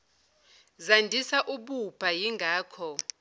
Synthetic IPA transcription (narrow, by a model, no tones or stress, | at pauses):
zandʱisaʔuɓub̥ʱajiŋɡʱaːkʰɔ